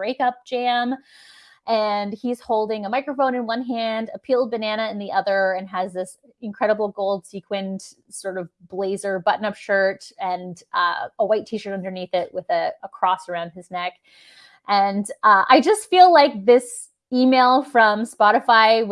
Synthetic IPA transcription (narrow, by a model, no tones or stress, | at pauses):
b̥ɹeɪkʌp̚d̥ʒ̥æ̃m | ʔɨ̃niz̥hoʊlˠdɪ̃ŋəmaɪkɹəfõʊ̃nɨ̃nwʌ̃nɦæ̃ndɨpʰilˠd̚bɨnæñɨɨ̃nðiʔʌðə˞ɨ̃nɨzðɪs | ɨ̃nkʰɹ̥ɛɾəbl̩ˠɡoʊlˠd̥sikʰwɨ̃nt | sɔɹɾʌvbleɪzə˞bʌʔn̩ʌpʃɜ˞tɨ̃nʔʌ̰əwaɪtʰiʃə˞ɾʌ̃ndə˞niθɪʔ̚wɪðɨəkʰɹ̥ɔsə˞ãʊ̃nd̚ɨznɛk | ʔɨ̃nʔʌʔa̰ɪd͡ʒʌstfilaɪk̚ðɪs | imeɪlˠfɹʌ̃mspɑɾɨfaɪ